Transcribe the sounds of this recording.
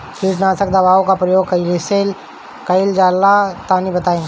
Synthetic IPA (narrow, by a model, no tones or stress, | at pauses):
kiʈnaːsəkd̪ɐbaːʋõkapɾɐjoːɡ̚kɐiɾɪsel | kɐɪld͡ʒaːlːat̪aːnibɐt̪aːẽː